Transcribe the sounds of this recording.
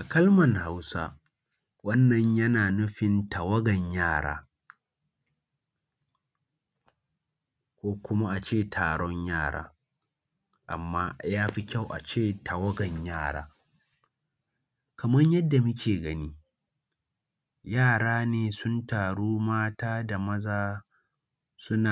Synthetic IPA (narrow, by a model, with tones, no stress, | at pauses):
ʔa˨kɐ˦lmɐ˨ŋha˦wsa̰ː˦ | wɐ˦nːɐ˨ɲjɐ˦naː˨nʊ˦ɸɪ˨ntɐ˨wɐ˦ɡɐ˨ɲjaː˦˨ɽa̰ː˦ | kʷoː˦kʷʊ˦ma˦ʔa˨t͡ʃeː˦˨tʰaː˨ɽɔ˦ɲjaː˦˨ɽa̰ː˦ | ʔa̰˨mːaː˦jaː˦ɸi˦kʲa˦˨wʔa̰˨t͡ʃeː˦˨tɐ˨wɐ˦ɡɐ˨ɲjaː˦˨ɽa̰ː˦ | kɐ˨mɐ˦ɲjɐ˦dːa˨mʊ˦kʲeː˨ɡɐ˦niː˦ | jaː˦˨ɽaː˦neː˨sʊ˦ntaː˨ɽuː˦maː˦taː˦da˨mɐ˦zaː˦ | sʊ˦na˨